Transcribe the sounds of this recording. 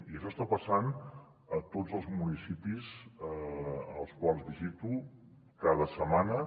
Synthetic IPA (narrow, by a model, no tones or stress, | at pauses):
iəʃɔst̪apəsan | ət̪od͡zzəlˠzmunisipizəəəlˠskwalˠzðiʒit̪u | kaðəsəmanə